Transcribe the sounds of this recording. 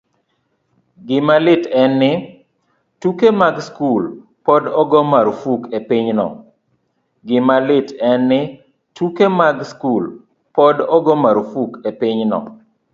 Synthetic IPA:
ɡɪmalɪtɛnːɪ | tukemaɡskul | pɔdɔɡɔmaɾfukepiɲnɔ̰ | ɡɪmalɪtʰɛnːɪ | tukemaɡskul | pɔdɔɡɔmaɾfukepɪɲnɔ̰

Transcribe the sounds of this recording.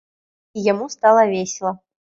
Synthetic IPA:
ijamust̪alˠɐvʲesʲɪlˠɐ

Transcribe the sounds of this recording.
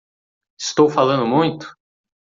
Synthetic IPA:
ɪst̪owfalɐ̃nd̪ʊmũj̃t̪ʊ̥

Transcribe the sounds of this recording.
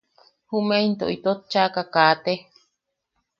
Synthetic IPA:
humeint̪o̰ʔit̪ot̪̚t͡ʃakakaːt̪e

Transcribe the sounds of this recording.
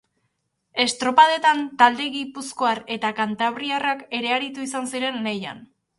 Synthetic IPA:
e̞st̪ɾo̞pað̞e̞t̪ant̪ald̪e̞ɣipusko̞aɾe̞t̪akant̪aβɾiarake̞ɾe̞aɾit̪uisansiɾe̞nːeja̰n

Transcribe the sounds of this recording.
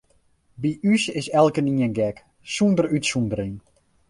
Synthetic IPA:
biʔysɪsɛlˠkəniənɡɛk | sundərytsundərin

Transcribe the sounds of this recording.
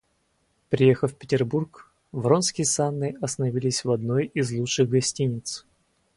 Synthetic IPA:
pɾʲɪjexəffʲpʲɪ̥tʲɪrburk | vro̞nskʲɪjəsanːɨʔɐst̪ənɐvʲilʲɪsʲvɐd̪no̞jizlˠutʂɨɣɡɐsʲtʲinʲɪt̪s

